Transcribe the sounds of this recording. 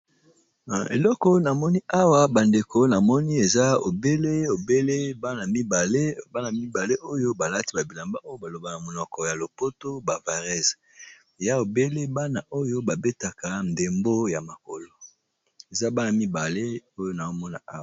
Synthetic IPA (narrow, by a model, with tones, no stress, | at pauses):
ḛ˨lɔ˦kɔ˦na˨mɔ˦ni˦ʔa˦wa˦ba˨nde˨ko˦na˨mɔ˦ni˦e˨za˦o˨be˦le˦o˨be˦le˦ba˦na˨mi˦ba˨le˦ba˦na˨mi˦ba˨le˦ʔo˦jo˦ba˨la˦ti˦ba˨bi˨la˨mba˦ʔo˦jo˦ba˨lo˨ba˨na˨mo˨nɔ˨kɔ˨ja˨lo˨po˦to˦ba˨va˨ʁɛ˦˨z | e˨ja˦o˨be˦le˦ba˦na˨ʔo˦jo˦ba˨be˦ta˨ka˨n˨de˨mbo˦ja˨ma˨ko˨lo˨ | e˨za˦ba˦na˨mi˦ba˨le˦o˦jo˦na˨o˦mɔ˦na˦ʔa˦˨